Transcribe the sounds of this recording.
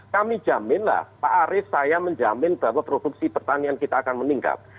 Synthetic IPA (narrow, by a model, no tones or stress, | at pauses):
kami̥ʒ̥a̤mɪnla̰hpaʔaɾɪsajaməɲd͡ʒamɪnb̥awapɾod̥uk̚sipərt̪aniankit̪aːkanməniŋka̰p̚